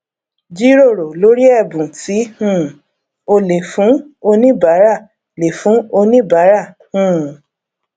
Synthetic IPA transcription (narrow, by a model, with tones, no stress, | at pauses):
d͡ʒi˦ɾo˦˨ɾo˨lo˨˦ɾi˦ɛ˦˨bũ˨ti˨˦hũ˦˨ | o˧le˨fũ˨˦o˧nĩ˦ba˨˦ɾa˦˨ | le˨fũ˨˦o˧nĩ˦ba˨˦ɾa˦˨ | hũ˦